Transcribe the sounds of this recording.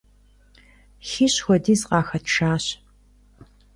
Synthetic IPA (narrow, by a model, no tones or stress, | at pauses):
xiːɕxʷɔdiːzqɑːxɐtʰʂaːɕ